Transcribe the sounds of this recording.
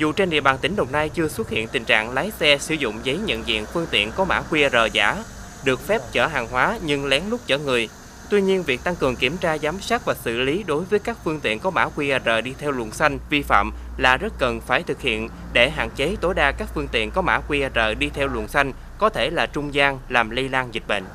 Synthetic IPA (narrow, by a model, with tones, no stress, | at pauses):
zṵ˨t͡ɕe˧nɗḭ˧˨əɓaː˨˩nt̪ï˨˦ŋɗə˨˩wŋ͡mna˧jt͡ɕɨ˧əswə˦˥t̚hḭ˧˨ənt̪ï˨˩ŋ̟t͡ɕa̰ː˧˨ŋla˨˦jsɛ˧sɨ˧˩zʊ̰˧˨ŋ͡mzə˨˦jɲə̰˧˨nzḭ˧˨ənfɨ˧əŋt̪ḭ˧˨ənkɔ˨˦ma̰ː˧˥kwi˧ʔa˧˩zəː˨˩jza̰ː˧˩ | ɗɨ˨˩ək̚fɛ˦˥p̚t͡ɕəː˧˩ɦaː˨˩ŋɦwaː˨˦ɲɨ˧ŋlɛ˨˦ŋlʊ˦˥k͡p̚t͡ɕə̰ː˧˩ŋɨ˨˩əj | t̪wi˧ɲi˧ənvi˨˩k̚t̪a˧ŋkɨ˨˩əŋki˧˩əmt͡ɕaː˧zaː˨˦msaː˦˥t̚vaː˨˩sɨ̰˧li˨˦ɗo˨˦jvəː˨˦jkaː˦˥k̚fɨ˧əŋt̪ḭ˧˨ənkɔ˨˦ma̰ː˧˥kwi˧ʔa˧˩zəː˨˩ɗi˧t̪ʰɛ˧wlṵ˨˧˩ənsa˧jŋ̟vi˧fa̰ː˧˨m | la̰ː˨˩zə˦˥t̚kə˨˩nfaː˧˩jt̪ʰɨ˨˩k̚hḭ˧˨ən | ɗe˧˩ɦa̰ː˧˨nt͡ɕe˨˦t̪o˨˦jɗaː˧kaː˦˥k̚fɨ˧əŋt̪ḭ˧˨ənkɔ˨˦ma̰ː˧˥kwi˧ʔa˧zəː˨˩ɗi˧t̪ʰɛ˧wlṵ˨˩ənsa˧jŋ̟ | kɔ˨˦t̪ʰe˧˩laː˨˩t͡ɕʊ˧ŋ͡mzaː˧ŋlaː˨˩mli˧laː˧nzi˨˩k̟̚ɓə̰˧˨ŋ̟